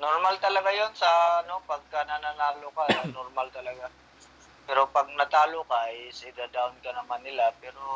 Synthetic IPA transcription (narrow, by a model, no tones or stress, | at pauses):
noɾmalt̪ɐlɐɡajonsɐno̞pɐɡ̚kanananaːlokanoɾmalt̪ɐlɐɡa | pɛːɾo̞pɐɡ̚nɐt̪aːlokajsɪd̪ad̪awnkɐnɐmanːɪlapɛːɾo